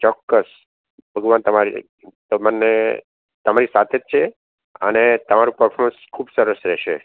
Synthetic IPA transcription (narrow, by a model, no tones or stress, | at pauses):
t͡ʃɔkːəs | bʱəɡʋant̪əmaɾḭ | t̪əmane | t̪əmaɾisat̪ʰed͡ʒ̚t͡ʃʰe | ə̰net̪əmaɾũpəɾfʰɔɾmə̃nskʰubsəɾəsɾɛʃe